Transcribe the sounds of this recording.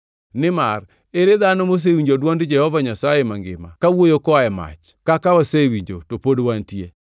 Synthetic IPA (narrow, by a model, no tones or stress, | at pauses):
nɪmar | eɾeðanomos̬ewiɲd͡ʒodwandd͡ʒɛhɔvaɲasajemaŋɡɪ̰ma̰kawojokɔajɛma̰t͡ʃ | kakawɔsewiɲd͡ʒotopodwantje